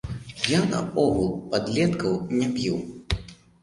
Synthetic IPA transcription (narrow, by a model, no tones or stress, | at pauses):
janɐ̰ɔɣulˠpad̪lʲɛt̪kɐwnʲapʲiw